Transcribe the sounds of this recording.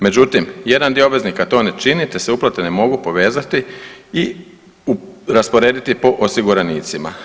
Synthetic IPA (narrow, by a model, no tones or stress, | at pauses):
me̞d͡ʒut̪imje̞d̪and̪ijoobʋeznikat̪o̞ːnet͡ʃinit̪eseuplˠat̪enemo̞ɡupo̞ʋe̞ːzat̪ii | ɾaspo̞ɾeːd̪it̪ipo̞ʔosiɡuɾaniːt̪sima̰